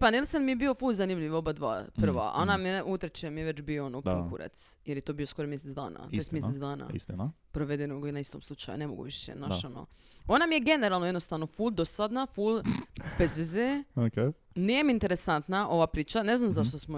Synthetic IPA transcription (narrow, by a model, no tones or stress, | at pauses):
panilsanmijebiofulzanimʎiʋobad̪ʋa̰ːpr̩ʋa̰onamieʔut̪ɾet͡ʃemijeʋet͡ʃbioonod̪okuɾḛt̪sjeɾjet̪obio̞sko̞ɾomjeset̪d̪a̰ːna̰emeset̪d̪aːna̰ḭst̪in | pɾoʋe̞d̪enoɡinaist̪o̰mslˠut͡ʃa̰jṵnemoɡṵʋiʃḛnaʃono̰ | o̞namije̞ɡe̞neɾalˠnoed̪nost̪aʋnofuld̪osad̪nafulbezʋezeokenijemint̪eɾesant̪naʔo̞ʋapɾiːt͡ʃaneznamzaʃt̪osmo